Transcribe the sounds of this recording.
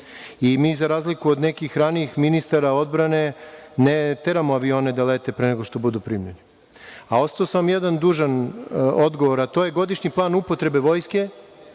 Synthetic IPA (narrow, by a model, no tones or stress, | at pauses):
imiːzaɾaːzlikuod̪nekixɾaniixminist̪aɾao̞d̪bɾane̞net̪e̞ɾamoaʋio̞ːne̞d̪alet̪e̞pɾeneɡo̞ʃt̪o̞bud̪upɾimjeni | ao̞st̪aosamjed̪and̪uːʒano̞d̪ɡo̞ʋo̞ɾat̪ojeɡo̞d̪iʃɲiplˠaːnupo̞t̪ɾe̞be̞ʋo̞ːjske̞